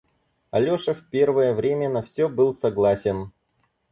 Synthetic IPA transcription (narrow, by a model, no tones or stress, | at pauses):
ɐlʲoʂəfpʲe̞rvəjəvɾʲemʲənɐfsʲɵbɨlˠsɐɡlˠasʲɪn